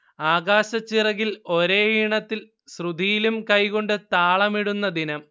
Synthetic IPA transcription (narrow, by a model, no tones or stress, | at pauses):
aːɡaːɕɐt͡ɕːirɐɣilo̞ɾeːiɳɐt̪ːil | srud̪ijilumkɐjko̞ɳɖɨt̪aːɭɐmiɽunːɐd̪inɐm